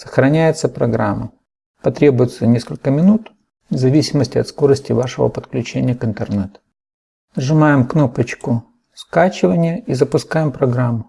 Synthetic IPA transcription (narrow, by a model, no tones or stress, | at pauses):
sə̥xɾɐnʲæjɪt̪səpɾɐɡɾamːə | pɐt̪ɾʲe̞bʊjʊt̪sənʲeskəlʲkəmʲɪnut̪ | vzɐvʲisʲɪməsʲtʲɪɐt̪sko̞ɾəsʲtʲɪvaʂɨvə̰pət̪klʲʉt͡ɕenʲɪjəkɨnt̪ərnɛt̪ʊ | ʐɨmajɪmknopət͡ɕkʊ | skat͡ɕɪvənʲɪjəʔizəpʊskajɪmpɾɐɡɾamːʊ